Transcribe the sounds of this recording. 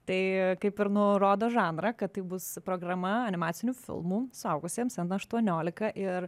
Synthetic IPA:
t̪ɐɪkɐɪpɪɾnʊɾoːd̪oːʒɑːnɾɐkɐt̪t̪ɐɪbʊspɾoːɡɾɐmɐɐnʲɪmɑːt̪sʲɪnʲuːfʲɪ̰lˠmuːsʊɐʊɡʊsʲiɛmsɛnd̪ɐʃt̪uɔnʲoːlʲɪkɐʔɪɾ

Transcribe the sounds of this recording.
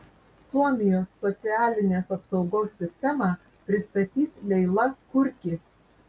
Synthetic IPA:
suɔmʲɪjoːsːɔt̪sʲɪæːlʲɪnʲeːsɐpsɒʊɡoːsʲːɪsʲt̪ʲɛmɑː | pʲɾʲɪst̪ɐt̪ʲiːslʲɛɪlˠɐkʊɾʲkʲiː

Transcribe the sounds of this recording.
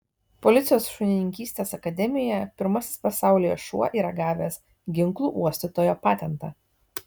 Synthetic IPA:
pɔlʲɪt̪sʲɪjoːsʃʊnʲɪnʲɪŋʲkʲiːsʲt̪ʲeːsɐkɐd̪ʲɛmʲɪjɛpʲɪɾmɐsʲɪ̥spɐsɑˑʊlʲɪjoʃṵɔʔiːɾɐɡɑːʋʲeːs | ɡʲɪŋˑklˠuːʔuɔsʲt̪ʲɪt̪oːjoːpɑːt̪ʲɛnt̪ɑ̰ː

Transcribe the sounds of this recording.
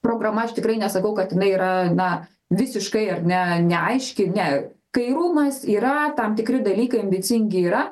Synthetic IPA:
pɾoːɡɾɐmɐɐʃt̪ʲɪkɾɐɪnʲɛsɐkɐʊkɐt̪ɪnɐɪiːɾɐnɐ | ʋʲɪsʲɪʃkɐɪɐrnʲɛnʲɛɐɪʃʲkʲɪnʲɛkɐɪɾuːmɐsiːɾɐt̪ɐmt̪ʲɪkɾʲɪd̪ɐlʲiːkɐɪɐmʲbʲɪt͡s̪ʲɪŋʲɡʲɪiːɾɐ

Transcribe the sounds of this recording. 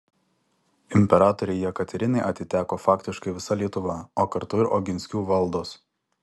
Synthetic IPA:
ɪmʲpʲɛɾɑːt̪ɔɾʲɛjɛkɐt̪ʲɛɾʲɪnʲɐɪʔɐt̪ʲɪt̪ʲæːkoːfɑːkʲt̪ʲɪʃkɐɪʋʲɪsɐlʲiɛt̪ʊʋɑˑoːkɐɾt̪ʊɪɾʔoːɡʲɪnʲsʲkʲuːʋɐlˠd̪oːs

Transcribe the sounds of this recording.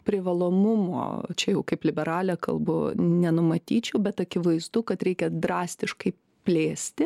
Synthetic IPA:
pʲɾʲɪʋɐlˠoːmʊmo̰ːt͡ʃʲɛjɛʊkɐɪplʲɪbʲɛɾɑːlʲɛkɐ̰lˠbʊnʲɛnʊmɐt̪ʲiːt͡ʃʲɛʊbʲɛt̪ɐkʲɪʋɐɪzd̪ʊkɐt̪ɾʲɛɪkʲɛd̪ɾɑːsʲt̪ʲɪʃkɐɪ | pʲlʲeːsʲt̪ʲɪ

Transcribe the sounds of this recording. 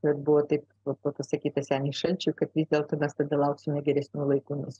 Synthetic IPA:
kɐt̪bʊʋoːt̪ɐɪp | ʋɐpɐpɐsɐkʲiːt̪ɐsʲæːnʲɪːʃɐlʲt͡ʃʲukɐt̪ʋʲiːzʲd̪ʲeːlˠt̪oːmʲɛst̪ɐd̪ɐlˠɐʊksʲɪmʲɛɡʲɛɾʲɛsʲnʲuːlˠɐɪkuːnʊs

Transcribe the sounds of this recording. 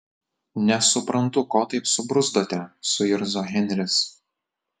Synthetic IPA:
nʲɛsʊpɾɐnt̪ʊkoːt̪ɐɪpsʊbɾʊzd̪oːt̪ʲɛsʊɪɾzoɣʲɛnʲɾʲɪs

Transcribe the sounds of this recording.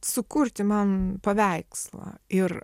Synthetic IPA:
sʊkʊrʲt̪ʲɪmɐnpɐʋʲæɪkslˠɐ̰ɪr

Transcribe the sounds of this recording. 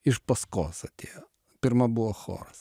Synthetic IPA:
ɪʃpɐskoːsɐt̪ʲeːjo | pʲɪɾmɐbʊʋoxo̰ːɾɐs

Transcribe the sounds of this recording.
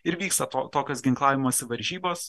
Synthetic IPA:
ɪɾʋʲiːkst̪ɐt̪oːt̪oːkʲoːsɡʲɪŋklˠɑːʋʲɪmoːsʲɪʋɐɾʲʒʲiːboːs

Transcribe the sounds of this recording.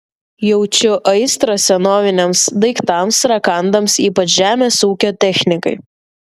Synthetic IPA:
jɛʊt͡ʃʲʊʔɐɪst̪ɾosʲɛnoːʋʲɪnʲɛmsd̪ɐɪkt̪ɐmsɾɐkɐnd̪ɐmsiːpɐt͡ʃʒʲæːmʲeːsuːkʲoːt̪ʲɛxʲnʲɪkɐɪ

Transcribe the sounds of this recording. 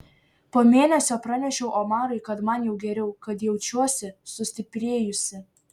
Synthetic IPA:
poːmʲeːnʲɛsʲoːpɾɐnʲɛʃʲɛʊʔomɑːɾɐɪkɐt̪mɐnjɛʊɡʲɛɾʲɛʊkɐt̪jɛʊt͡ʃʲuɔsʲɪsʊsʲt̪ʲɪpʲɾʲeːjʊsʲɪ

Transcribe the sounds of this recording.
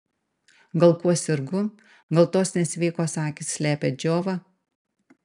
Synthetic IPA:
ɡɐlˠkuɔsʲɪɾɡʊ | ɡɐlˠt̪oːsnʲɛsʲʋʲiːkoːsɑːkʲɪsːʲlʲæːpʲed͡ʒʲoːʋɑ

